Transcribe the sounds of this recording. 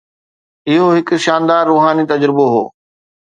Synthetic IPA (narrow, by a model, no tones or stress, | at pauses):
ɪɦoɦɪkʊ̆ʃaːnd̪aːɾːuːɦaːnit̪ɐd͡ʑɾɪboɦo̰ː